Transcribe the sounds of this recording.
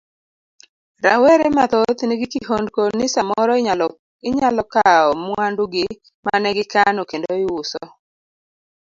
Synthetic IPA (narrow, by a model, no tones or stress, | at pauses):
ɾawɛɾɛmat̪ot̪niɡɪkiɦondkonɪsamɔɾɔ | ɪɲalɔkaɔmwanduɡɪ | manɛɡɪkanokendoɪwʊsɔ